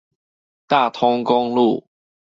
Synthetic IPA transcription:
t̪a˥˨t̪ʰʊ˦ŋkʊ˦ŋlu˥˨

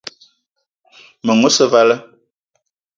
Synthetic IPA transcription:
mə˨ŋo˦sə˦va˦lə˦

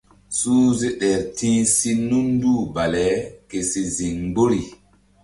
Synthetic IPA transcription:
suː˦ze˦ɗɛ˨ɾtĩː˦si˦nu˦nduː˦ba˨lɛ˨˦ke˨si˨zi˨ŋbo˦ɾi˨

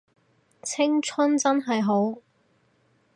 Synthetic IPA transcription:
t͡sʰɪ˥ŋt͡sʰɐ˥nt͡sɐ˥nɦɐ˨jɦo˨˥w

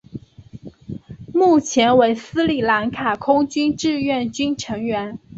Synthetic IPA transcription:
mu˥˩t͡ɕʰjɛ˧˥nwe˧˥ɪsɹ̩˥li˨˩la˧˥nkʰa˨˩kʰʊ˥ŋt͡ɕy˥nʈ͡ʂɻ̩˥˧ɥɛ˥˩nt͡ɕy˥nʈ͡ʂʰɤ˧˥ŋɥɛ˧˥n

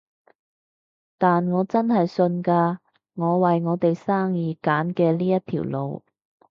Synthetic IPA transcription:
t̪aː˨nŋɔː˨˧t͡sɐ˥nɦɐ˨jsɵ˧nkaː˧ | ŋɔː˨˧wɐ˨jŋɔː˨˧˥t̪e˨jsaː˥ŋjiː˨˧kaː˨˥nkɛː˧liː˥jɐ˥t̪ʰḭ˨˩wlo̰˨˧w

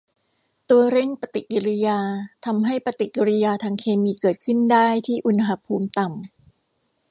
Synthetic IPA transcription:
t̪u˧ɐɾe˥˩ŋpa˧t̪i˨˩ʔ̚ki˧ɾi˦˧jaː˧t̪ʰa˧mɦa˥˩jpa˧t̪i˨˩i˧ɾi˧jaː˧t̪ʰaː˧ŋkʰeː˧miː˧kɤː˨˩t̪̚kʰɯ˥˩ndaː˥˩jt̪ʰiː˥˩ʔu˧nɦa˧pʰuː˧mt̪a˨˩m

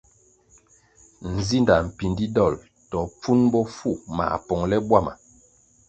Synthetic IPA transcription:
n̩˨zi˦nda˨m̩˨pi˨ndi˦dɔ˦˨l | tɔ˨p͡fu˦nbɔ˦fu˦˨ma̰˨pɔ˨ŋlɛ˦bwa˦˨ma̰˨

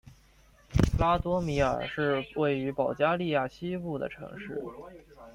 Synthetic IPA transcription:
la˥t̪wɔ˧˥mi˧˥ə̰˞˨˩ʂɻ̩˥˧we˥˩ɪy˧˥pɑ˨˩ʊt͡ɕja˥li˥˧ja˥˩ɕi˥pu˥˩d̪ə̰˩ʈ͡ʂʰɤ̰˧˥ŋʂɻ̩˥˩

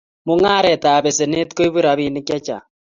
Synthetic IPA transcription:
mo˦ŋa˦ɾɛ˨ta˨βe˨se˨ne˦tko˦i˦βu˦ɾa˨βi˨ne˦kja˦t͡ʃa̰˨

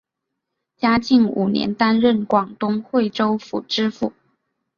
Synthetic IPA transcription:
t͡ɕja˥t͡ɕi˥˩ŋṵ˨˩njɛ̰˧˥nt̪a˥nɻə˥˩nkwɑ˨˩ŋt̪ʊ˥ŋxwe˥˩ɪʈ͡ʂo˥ʊfṵ˨˩ʈ͡ʂɻ̩˥fu˥˩

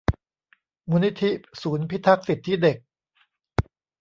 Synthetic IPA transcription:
muː˦˥ni˦˥t̪ʰːi˦˥suː˩˦npʰi˦˥t̪ʰa˦˥k̚si˨˩t̪ʰːiː˥˩de˨˩k̚

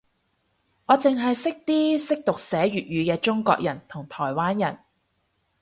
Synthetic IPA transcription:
ŋɔː˨˧t͡sɪ˨ŋɦɐ˨jsɪ˥k̚t̪iː˥sɪ˥k̚t̪ʊ˨k̚sɛː˨˥ɥyː˨t̚jyː˨˧kɛː˧t͡ʃʊ˥ŋkʷɔ̰ː˧k̚jɐ˨˩nt̪ʰʊ˨˩ŋt̪ʰɔː˨˩jwaː˥njɐ˨˩n

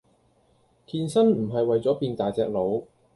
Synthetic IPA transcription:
kʰiː˧nsɐ˥nm̩˨˩ɦɐ˨jwɐ˨jt͡sɔː˨˥piː˧nt̪aː˨jt͡sɛ̰ː˧k̚lo˨˧w

